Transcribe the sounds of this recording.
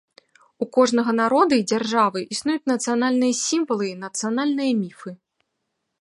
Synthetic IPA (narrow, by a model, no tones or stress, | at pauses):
ukɔʐnɐɣɐnaɾɔd̪ɐid͡zʲarʐavɨʔisnujut͡sʲnɐt̪sɨjanalʲnɨjɐsʲimvɐlˠɨinɐt̪sɨjanalʲnɨjɐmʲifɨ